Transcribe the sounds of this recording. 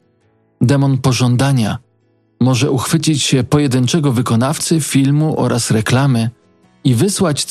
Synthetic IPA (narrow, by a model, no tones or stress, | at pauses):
d̪ɛmɔnpɔʐɔnd̪aɲa | mɔʐɛuxfɘt͡ɕit͡ɕɕɛpɔjɛd̪ɘnt͡ʂɛɡɔvɘkɔnaft̪sɘfʲilmuʔɔ̰ɾʔasɾɛklamɘ | ivɘswat͡ɕ